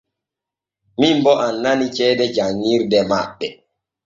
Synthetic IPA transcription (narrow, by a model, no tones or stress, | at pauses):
mimbɔʔanːanit͡ʃɛdɛd͡ʒaŋːiɾdɛmaɓːɛ